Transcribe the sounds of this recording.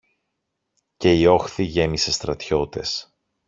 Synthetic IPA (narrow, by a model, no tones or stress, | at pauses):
ce̞io̞xθiʝe̞mise̞st̪ɾɐt̪ço̞t̪e̞̰s